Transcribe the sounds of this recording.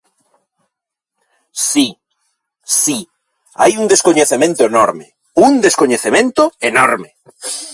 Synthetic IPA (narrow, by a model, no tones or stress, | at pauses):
si | si | a̰juŋd̪eskoɲeθemẽnt̪oenɔɾme | uŋd̪eskoɲeθemẽnt̪ʊenɔɾme